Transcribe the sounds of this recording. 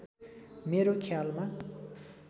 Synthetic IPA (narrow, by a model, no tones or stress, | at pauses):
meɾokʰalma